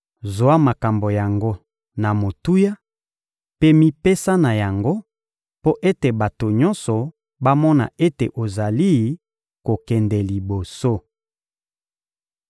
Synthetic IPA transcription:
zo˨a˦ma˨ka˨mbo˨ja˨ŋɡo˦ | na˨mo˨tu˦ja˦ | pe˦mi˦pe˦sa˦na˨ja˨ŋɡo˦ | po˦ʔe˦te˨ba˨to˨ɲɔ˦nsɔ˨ | ba˦mɔ˦na̰˨e˦te˨ʔo˨za˨li˦ | ko˨kɛ˨ndɛ˨li˨bo˨so˦

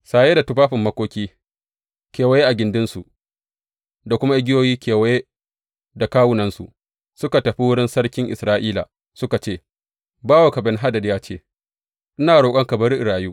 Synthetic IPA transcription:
saː˨jeː˦da˨tʊ˦ɸaː˦ɸɪ˨mːɐ˦kʷoː˦kʲiː˦ | kʲeː˨wa˦je˦ʔa˨ɡʲɪ˨ndɪ˦nsu˨ʔ | da˨kʷʊ˦ma˦ʔɪ˦ɡʲɪ˦joː˦jiː˦kʲʰeː˨wɐ˦je˦ | da˨kaː˦wʊ˦nɐ˨˦nsṵ˨ | sʊ˦ka˨tɐ˨ɸi˦wʊ˦ɽɪ˦nsɐ˦ɽkʲɪ˦ŋʔɪ˨sɾaː˦ʔiː˦la̰ː˨ | sʊ˦ka˨t͡ʃeː˦˨ | baː˦wa˨ka˨bɛ˦nɦa˦dɐ˨djaː˦t͡ʃeː˦ | ʔɪ˦naː˨ɽoː˨kʼɐ˦ŋkɐ˨bɐ˦ɾɪ˨ɽaː˨juː˦

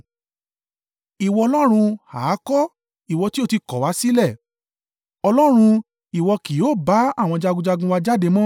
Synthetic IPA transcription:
i˨wɔ˧ɔ˧lɔ˦ɾ̃ũ˧haː˨˦kɔ˦ | i˨wɔ˧ti˦o˦˨ti˧kɔ˨˦wa˨˦si˦lɛ˦˨ | ɔ˧lɔ˦ɾ̃ũ˧ | i˨wɔ˧ki˨joː˦˨ba˨˦a˦˨w̃ɔ̃˧d͡ʒa˧ɡũ˧d͡ʒa˧ɡũ˧wa˧d͡ʒa˦de˧mɔ̃˦

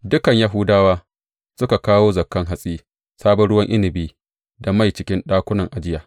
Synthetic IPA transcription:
dʊ˦kɐ˨ɲja˦ɦʊ˦daː˦waː˦ | sʊ˦ka˨kaː˦woː˦zɐ˨kːɐ˦ŋɦa˨sʼiː˦ | saː˦bɐ˦ɽʊ˦wɐ˦ŋʔɪ˦nɪ˨biː˦ | da˨ma˦˨jt͡ʃɪ˦kʲɪ˦nɗaː˦kʷʊ˦nɐ˨ŋʔa˨d͡ʒɪ˦jaː˨

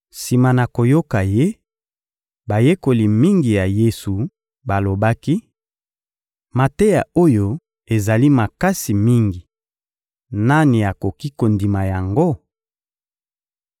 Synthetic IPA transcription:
si˨ma˨na˨ko˨jo˦ka˨je˦ | ba˨je˦ko˨li˨mi˦ŋɡi˨ja˨je˦su˨ | ba˨lo˨ba˦ki˦ | ma˨te˦ja˨o˦jo˦ | e˨za˨li˦ma˨ka˦si˨mi˦ŋɡi˨ | na˦ni˨a˨ko˨ki˦ko˨ndi˨ma˨ja˨ŋɡo˦

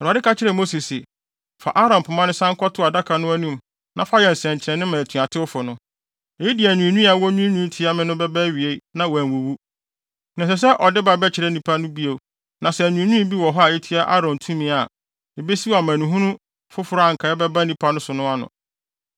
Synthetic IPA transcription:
ɔ˨ɾa˨dɪ˦ka˦t͡ɕʰɪ˦ɾɛ˨mo˦si˨sɪ˨ | fa̰˨ʔa˦ɾɔ̃˨m˨pʰʊ˨mã˦nʊ̃˦sã˦ŋ̩˦kʰɔ˦tʰʊ˦a˨da˦kʰa˨nʊ̃˦æ˦nũ˦˨m | nã˨fa˦jɛ˨n̩˨sɛ̃˨ɲ˨t͡ɕʰɛ̃˨nɪ̃˦mã˨tʰũ˨a˨tʰɪ˦wʊ˦fʊ˨nʊ̃˦ | ɛ˨i˦di˨æ˨nũ˨nũ˦a˨wɔ˦nũ˦nũ˦n̩˦tʰi˨˦a˦mɪ̃˦nʊ̃˦bɛ˦bæ˦ɥi˨e˦nã˦wæ˨n˨u˨wu˦ | nã˨sɛ˨s̬ɛ˦ʔɔ˨dɪ˦ba˨bɛ˦t͡ɕʰɪ˨ɾɛ˦nĩ˨pʰa˦nʊ̃˦bi˦o˨ | nã˨sɛ˨nũ˨nũ˦bi˦wɔ˨ɦɔ˦a˨e˦tʰi˦a˦ʔa̰˦ɾɔ̃˨ntʰũ˦mĩ˨˦a˨ | e˨be˦si˦wa˨mæ̃˨nũ˨ɦũ˦nʊ̃˦ | fʊ˦fʊ˨˦ɾʊ˦a˦˨ŋ̩˨kʰa˨ɛ˦bɛ˦ba˦nĩ˨pʰa˦nʊ̃˦sʊ˨nʊ̃˦a˨nʊ̰̃˨

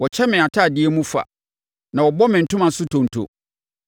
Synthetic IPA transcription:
wɔ˨t͡ɕʰɛ˦mɪ̃˨a˨tʰa˦˨dɪ˦ɛ˦mũ˦fa̰˨ | nã˨wɔ˨bɔ˦mɪ̃˨n̩˨tʊ̃˦mã˨sʊ˦tʰõ˨n̩˨tʰo̰˨

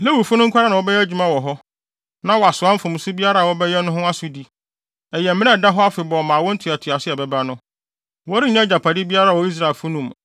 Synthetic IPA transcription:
le˦wu˨fʊ˦nʊ̃˦ŋ̩˦kʷʰa˦ɾa˦nã˨wɔ˦bɛ˦jɛ˦d͡ʑᶣu˨mã˦wɔ˨ɦɔ˦ | nã˦wɔ˨a˨sʊ˨a˦fʊ̃˨m˨˦sʊ˦bi˦a˦ɾaː˦˨wɔ˦bɛ˦jɛ˦nʊ̃˦ɦʊ̃˦a˦sʊ˨di˦ | ɛ˨jɛ˨m̩˦mɪ̃˦ɛ̃˦˨da˦ɦɔ˦a˦fɪ˨bɔ˨mãː˨wɔ̃˦n̩˦tʰʊ˨a˨tʰʊ˨a˨sɪ˦ɛ˨bɛ˦bɾa˦nʊ̃˦ | wɔ˦ɾɪ˦ɲã˦d͡ʑa˨pʰa˨di˦bi˦a˦ɾaː˦˨wɔ˦i˦s̬ɾa˨e˨lfu˦nũ˨m

